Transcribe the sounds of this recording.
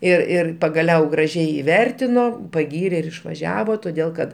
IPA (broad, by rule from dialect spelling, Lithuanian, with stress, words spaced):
ɪr ˈɪr pɐɡɐˈlʲɛʊ ɡrɐˈʒʲɛɪ ɪˈʋʲɛrʲtʲɪnoː pɐˈɡʲiːrʲeː ɪr ɪʃʋɐˈʒʲæːʋoː toːˈdʲeːlˠ kɐt